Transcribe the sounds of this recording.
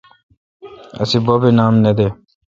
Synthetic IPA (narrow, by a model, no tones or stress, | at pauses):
ə̰siːboːbeːnaːmned̪eː